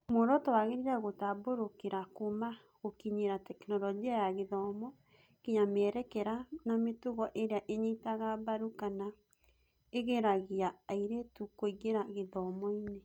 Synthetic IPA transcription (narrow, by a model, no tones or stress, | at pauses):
moɾɔtɔwaɣeɾiɾaɣotaboɾokeɾakoma | ɣokiɲeɾatɛknɔlɔɡiajaɣeðɔmɔ | kiɲamɛɾɛkɛɾanametuɣɔʔeɾeaʔeɲitaɣabaɾukana | eɣeɾaɣiaːiɾetukoiɣeɾaɣeðɔmɔine